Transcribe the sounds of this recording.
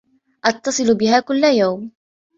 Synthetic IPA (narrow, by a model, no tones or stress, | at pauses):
ʔɑt̪ːɑsˤɨlbɪhaːkʊlːajawm